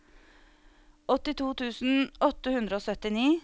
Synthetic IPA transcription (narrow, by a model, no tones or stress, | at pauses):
ɔt̪ɪt̪ʰuːt̪ʰʉːsn̩ɔt̪əhʉnd̪ɾəoːsœt̪ɪniː